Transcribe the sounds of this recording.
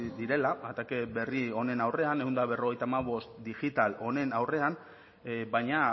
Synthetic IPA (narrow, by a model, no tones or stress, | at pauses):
d̪iɾe̞laat̪akeβe̞rio̞ne̞nawre̞ane̞uwnd̪aβe̞ro̞ɣ̞e̞jt̪amaβ̞o̞st̪d̪iʝit̪alo̞ne̞nawre̞an | bajɲa